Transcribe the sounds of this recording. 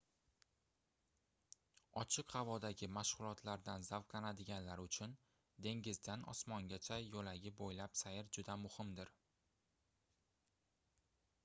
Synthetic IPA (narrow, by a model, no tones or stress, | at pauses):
ɒt͡ʃʰɪqhavɒd̪aɡʲɪmaʃʁʊlˠɒt̪ʰlaɾd̪anzavqlanad̪ɪɡʲanlaɾʊt͡ʃʰʊn | d̪e̞ŋɡʲɪzd̪anɒ̰smɒŋɡʲat͡ʃʰajolaɡʲɪbojlapsajɪɾd͡ʒʊd̪amʊhɪmd̪ɪɾ